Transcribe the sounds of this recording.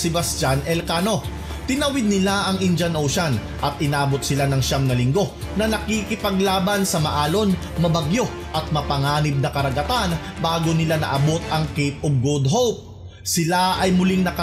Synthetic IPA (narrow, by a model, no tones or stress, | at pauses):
sɪbɐst͡ʃanʔɛlkaːno̞ | t̪ɪnɐwɪd̪̚nɪlaʔɐŋʔɪnd͡ʒɐnʔowʃan | ʔɐt̪̚ʔɪnaːbo̞t̪̚sɪlanɐŋʃamnɐlɪŋɡo̞ | nɐnɐkikɪpɐɡlaːbɐnsɐmɐʔaːlo̞n | mɐbɐɡjo̞ | ʔɐt̪̚mɐpɐŋaːnɪb̚nɐkɐɾɐɡɐt̪anbaːɡonɪlanɐ̰ʔɐbo̞t̪̚ɐŋkejp̪̚oɡ̚ɡud̪̚ɦowp̚ | sɪlaʔɐjmʊliŋnɐkɐ